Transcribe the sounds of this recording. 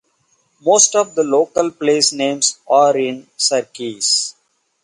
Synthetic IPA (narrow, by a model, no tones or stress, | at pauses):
moːsʈɔʋd̪əloːkəlpleːsnẽːmsaːɾɪ̃nsəɾkiːs